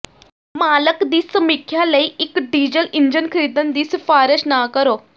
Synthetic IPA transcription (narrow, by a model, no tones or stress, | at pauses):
maːləkd̪iːsmikʰjaləiikɖid͡ʑəliɲd͡ʑənkʰɾid̪ənd̪iːsfaɾəɕnaːkəɾo